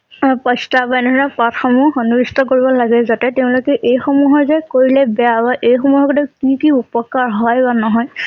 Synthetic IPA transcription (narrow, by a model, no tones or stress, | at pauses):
pɔstabaɛnɔɔnapatxɔmuonuɹistɔkoɹibɔlaɡɛzatɛtɛʊ̃lokɛʔejxomuɦɔɹzɛkoɹilɛbɛjabaʔejxɔmuɦɔkɔdɛkikiupɔkaɹɦɔjbanɔɦɔj